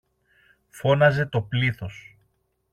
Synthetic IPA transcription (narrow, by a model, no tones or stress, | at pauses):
fo̞nɐze̞t̪o̞pliθo̞s